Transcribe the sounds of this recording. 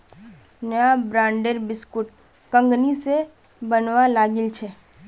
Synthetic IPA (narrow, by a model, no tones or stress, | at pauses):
nəjabɾãːɳɖəɾbɪskʊʈ | kə̃ŋɡnise | bənʋalaːɡɪlt͡ʃʰɛː